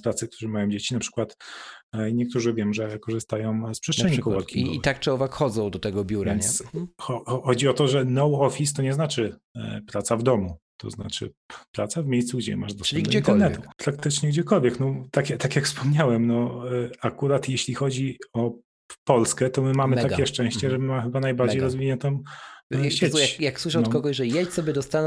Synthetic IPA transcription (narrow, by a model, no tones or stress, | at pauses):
pɾat̪sɨk̚t̪ʰuʐɛmajɔ̃w̃d͡ʑet͡ɕinapʂɘ̥kwat̪ | ɲɛk̚t̪uʐɘvʲjɛmʐɛkɔʐɨst̪ajɔ̃w̃spʂɛstt͡ʂ̪ʂɛɲikɔwaɾkʰʲiḭt̪ak̚t͡ʂɛɔvakxɔd̪zɔ̃w̃d̪ɔt̪ɛɡɔbʲjuɾanɲɛsxɔɔxɔd͡ʑiɔt̪ɔʐɛnɔwɔfʲist̪ɔɲɛznat͡ʂɘpɾat̪savd̪ɔmut̪ɔ̰zna̰t͡ʂɘ̰ | pɾat̪savmʲejst̪suɡd͡ʑɛ̰maʐd̪ɔsinɛit̪ɛɾnɛt̪upɾak̚t̪ɘt͡ʂɲɛɡd͡ʑɛkɔlvʲjɛknɔt̪akʲat̪akʲjakfspɔmɲawɛmnɔakuɾat̪jeɕlʲixɔd͡ʑiɔ | pɔlskɛt̪ɔmɘmamɘt̪akʲjɛʂt͡ʂɛ̃w̃ɕt͡ɕɛʐɛmmaxɘbanajbaɾd͡ʑejɾɔzvʲiɲɛnt̪ɔ̃w̃ | ɕet͡ɕjajakswɘʂ̬ɔ̃wt̪kɔɡɔɕʐɛjɛt͡ɕsɔbʲjɛd̪ɔst̪an